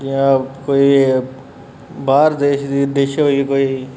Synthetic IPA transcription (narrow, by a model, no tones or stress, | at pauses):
kijãkoːiː | baːɾd̪eːʃd̪iːd̪eːʃeɦoikoːiː